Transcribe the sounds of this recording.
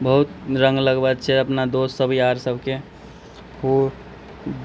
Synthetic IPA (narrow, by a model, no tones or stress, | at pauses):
bəɦut̪ɾə̃ŋɡləɡbəd̪t͡ʃʰɛəpnad̪ossəbʱiaɾsəbʱke | ho